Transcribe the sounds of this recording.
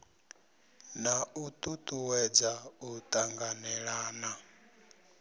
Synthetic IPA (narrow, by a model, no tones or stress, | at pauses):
naʔut̪ʼut̪ʼuwɛd͡zaut̪ʼaŋɡanɛɺaːna